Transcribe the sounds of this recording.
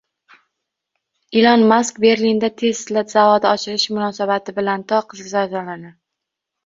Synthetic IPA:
ɪlɒnmaskbe̞ɾlind̪at̪ʰe̞zɪzlat̪zavɒd̪aɒt͡ʃʰɪɾɪʃmʊnɒsabat̪ʰɪbɪlant̪ʰɒqʰɨzɡʲzazɒlanɪ

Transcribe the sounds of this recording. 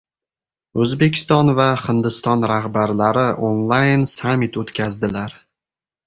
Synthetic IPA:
ɵzbekʲʰɪ̥st̪ɒnvaχɪnd̪ɪst̪ɒnɾahbaɾlaɾɪʔonlˠajnsamːit̪ʰot̪kʲʰazd̪ɪlaɾ

